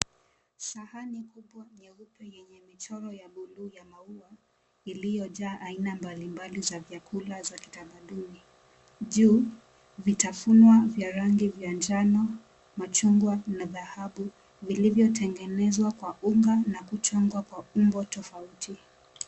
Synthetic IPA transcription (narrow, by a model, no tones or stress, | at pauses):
sahanikuɓwaɲɛupɛjɛɲɛmit͡ʃɔɾɔjaɓuluːjamaua | ilijɔʄaːʔainambalimbalizavjakʰulazaki̥tamaɗuni | ʄuː | vitafunwavjaɾaŋɡivjand͡ʒanɔ | mat͡ʃuŋɡwanaðahaɓu | vilivjɔtʰɛŋɡɛnɛzwakwauŋɡanakut͡ʃɔŋɡwakwaumbɔtɔfautʰi